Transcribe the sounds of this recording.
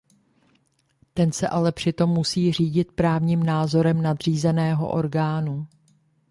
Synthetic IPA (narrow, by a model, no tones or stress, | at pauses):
t̪ɛnsɛʔalɛpr̝̥ɪt̪o̞mːusiːr̝iːɟɪt̪pɾaːvɲiːmnaːzo̞ɾɛmnad̪r̝iːzɛnɛːɦo̞̰ʔo̞ɾɡaːnu